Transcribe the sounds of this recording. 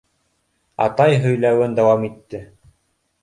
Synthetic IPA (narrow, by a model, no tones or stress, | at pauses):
ɑ̰t̪ɑjɦɵ̆jlæwɘnd̪ɑwɑmit̪ːɘ